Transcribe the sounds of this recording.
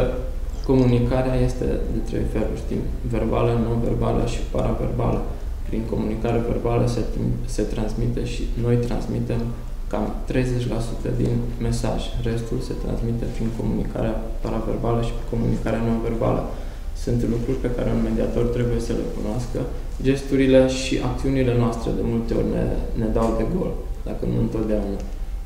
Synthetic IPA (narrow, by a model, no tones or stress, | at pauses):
ko̞munikaɾeaje̞st̪e̞̰d̪e̞t̪ɾe̞̰jfe̞lṵrʲd̪ḭm | ve̞rba̰ləno̞nve̞̰rba̰lə̰ʃi̥paɾave̞̰rba̰lə | pɾiŋko̞munikaɾeve̞̰rbaləse̞t̪ɾansmit̪e̞ʃino̞jt̪ɾa̰nsmit̪e̞m | kamt̪ɾe̞jze̞t͡ʃʲlasut̪əd̪in | me̞sa̰ʒʲre̞st̪ulse̞t̪ɾa̰nsmit̪epɾiŋko̞munḭka̰ɾeapaɾave̞rbaləʃi̥pɾiŋko̞mṵnikaɾeano̞nve̞rba̰lə̰ | sunt̪lukɾurʲpe̞kaɾe̞unme̞d̪iat̪o̞rt̪ɾe̞buje̞səle̞̰kunoaskə | d͡ʒe̞st̪uɾile̞ʃiʔak̚t̪siunile̞noast̪ɾe̞̰d̪e̞mult̪e̞o̞̰rʲnḛne̞d̪awd̪e̞ɡo̞̰ld̪̥akənṵɨnt̪o̞t̪̚d̪eauna